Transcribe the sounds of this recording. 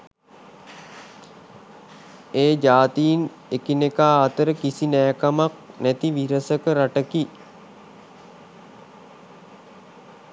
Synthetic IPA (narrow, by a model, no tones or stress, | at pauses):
eːd͡ʒaːt̪ijin | ekinekaːt̪əɾəkisinɛːkamak̚næt̪iʋiɾəsəkəɾaʈəki